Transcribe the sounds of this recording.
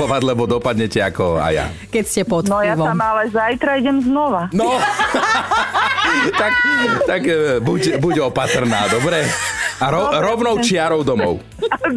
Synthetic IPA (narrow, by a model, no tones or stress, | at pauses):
ɔʋaɟlɛbɔd̪ɔpad̪ɲɛcɛakɔa̰ja̰ | kɛcscɛpɔt̪nɔjaʋɔamalɛzajt̪ɾaiɟɛmznɔʋanɔ | t̪akt̪aɡbucbuɟɔpat̪r̩na̰ːd̪ɔbɾɛaɾɔɾɔʊnɔʊt͡ʃɪaɾɔʊd̪ɔmɔʊ